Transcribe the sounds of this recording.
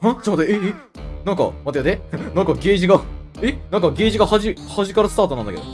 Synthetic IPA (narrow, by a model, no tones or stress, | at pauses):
ad͡ʑamt̪ee | nãŋka̰mat̪ead̪enãŋkaɡe̞ːʑiɡaenãŋkaɡʲeːʑiɡahaʑihaʑikaɾasɨ̥t̪aːt̪o̞nãnd̪akḛo̰